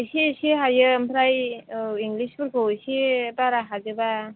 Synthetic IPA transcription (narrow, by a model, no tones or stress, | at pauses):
jsiseɦajɯmpʰɾajiŋɡlispɯɾkosebaɾaɦad͡ʒɯba